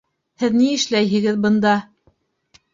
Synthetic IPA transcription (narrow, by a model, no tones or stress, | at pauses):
hɘðniɘ̆ʃlæjɦɘ̆ɡɘðbɤ̆nd̪ɑ